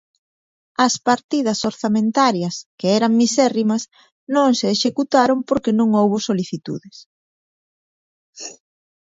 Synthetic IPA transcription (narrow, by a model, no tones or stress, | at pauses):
ɐspaɾt̪iðɐsoɾθamẽnt̪aɾjɐskeɛɾɐŋmisɛrimɐs | nõŋseːʃekut̪aɾompoɾkenõŋowβʊsoliθit̪ṵðɪs